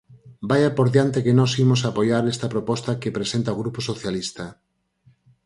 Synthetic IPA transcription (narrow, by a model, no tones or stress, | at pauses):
bajapoɾðjant̪ekenɔsimʊs̬apojaɾest̪ɐpɾopɔst̪ɐkepɾesent̪aoɣɾuposoθjalist̪ɐ